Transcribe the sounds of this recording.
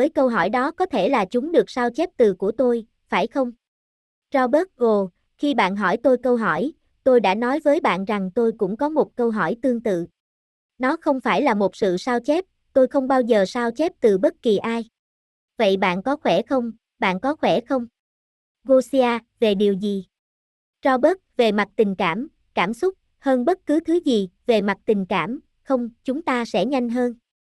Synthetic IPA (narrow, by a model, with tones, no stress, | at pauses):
vəː˨˦jkə˧wɦɔ˧˩jɗɔ˨˦kɔ˨˦t̪ʰe˧˩laː˨˩t͡ɕʊ˨˦ŋ͡mɗɨ˨˩ək̚saː˧wt͡ɕɛ˦˥p̚t̪ɨ˨˩ku˧˩ət̪o˧j | faː˧˩jxə˧wŋ͡m | t͡ɕɔ˧ɓəː˦˥t̚ɣo˨˩ | xi˧ɓa̰ː˧˨nɦɔ˧˩jt̪o˧jkə˧wɦɔ˧˩j | t̪o˧jɗa̰ː˧˥nɔ˨˦jvəː˨˦jɓa̰ː˧˨nza˨˩ŋt̪o˧jkʊ̰˧˥ŋ͡mkɔ˨˦mo˨˩t̚kə˧wɦɔ˧˩jt̪ɨ˧əŋt̪ɨ̰˧˨ | nɔ˨˦xə˧wŋ͡mfaː˧˩jlaː˨˩mo˨˩t̚sɨ̰˧˨saː˧wt͡ɕɛ˦˥p̚ | t̪o˧jxə˧wŋ͡mɓaː˧wzəː˨˩saː˧wt͡ɕɛ˦˥p̚t̪ɨ˨˩ɓə˦˥t̚ki˨˩ʔaː˧j | və̰˧˨jɓa̰ː˧˨nkɔ˨˦xwɛ˧˩xə˧wŋ͡m | ɓa̰ː˧˨nkɔ˨˦xwɛ˧˩xə˧wŋ͡m | ɣo˧si˧aː˧ve˨˩ɗi˨˩əwzi˨˩ | t͡ɕɔ˧ɓə˦˥t̚ve˨˩ma˨˩t̚t̪ï˨˩ŋ̟kaː˧˩m | kaː˧˩msʊ˦˥k͡p̚ | həː˧nɓə˦˥t̚kɨ˨˦t̪ʰɨ˨˦zi˨˩ve˨˩ma˨˩t̚t̪ï˨˩ŋ̟kaː˧˩m | xə˧wŋ͡mt͡ɕʊ˨˦ŋ͡mt̪aː˧sɛ̰˧˥ɲa˧jŋ̟ɦəː˧n